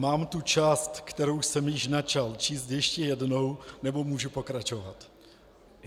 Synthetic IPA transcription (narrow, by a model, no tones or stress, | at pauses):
maːmt̪ut͡ʃaːst̪kt̪ɛɾowsɛmjɪʃnat͡ʃalt͡ʃiːst̪jɛʃcɛjɛdnownɛbo̞muːʒupo̞kɾat͡ʃovat̪